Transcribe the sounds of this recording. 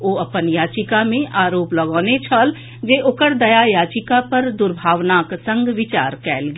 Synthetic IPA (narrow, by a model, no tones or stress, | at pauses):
oːɐpənjaːt͡ʃɪkamẽʔaːɾoːplɐɡɔːnet͡ʃʰəl | d͡ʒeːʔʊkəɽd̪ɐjajaːt͡ʃɪkapɐɾd̪ʊɾbʱaːʋnaːksə̃ŋɡʱʋɪt͡ʃaːɾkɛːlɡ